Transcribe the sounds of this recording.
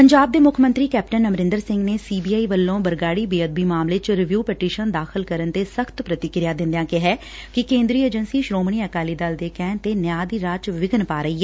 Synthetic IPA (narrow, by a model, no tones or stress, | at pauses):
pəɲd͡ʒaːb̚d̪eːmʊkʰmə̃nt̪ɾiːkɛːp̚ʈənːəmɾɪ̃nd̪əɾsɪ̃ŋɡneːsiːbiːaːiːʋəlːõːbəɾɡaːɽiːbiːəd̪̚biːmaːmleːt͡ʃɾɪʋjuːpɛʈiːʃənd̪aːxʰɪlkəɾənt̪eːsəkʰt̪pɾət̪ɪkɾɪjaːd̪ɪ̃nd̪jãːkɪɦɛː | kɪkẽːnd̪ɾiːəd͡ʒənsiːʃɾoːmɳiːəkaːliːd̪ald̪eːkɛːnt̪eːnjaːd̪iːɾaːt͡ʃʋɪɡənpaːɾəiːɛː